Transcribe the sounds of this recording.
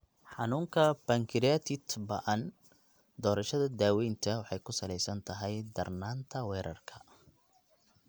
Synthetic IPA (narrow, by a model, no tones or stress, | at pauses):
ħɑnuːŋkʰɐb̥ɐŋkʰɪɾiat̪ʰɪt̪bɐ̰ʔɐn | d̪ɔːɾɐʃɐðɐd̪aːwɛjnt̪ʰɐwɑħɑjkʰʊsɐlɛjsɐnt̪ʰɐɦɛjd̪ɐrnaːnt̪ʰɐwɛːɾɐrkʰɐ